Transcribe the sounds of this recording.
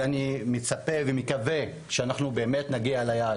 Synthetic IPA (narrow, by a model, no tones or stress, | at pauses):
animet͡sapevemekave | ʃeanaχnube̞ːme̞tnaɡialaja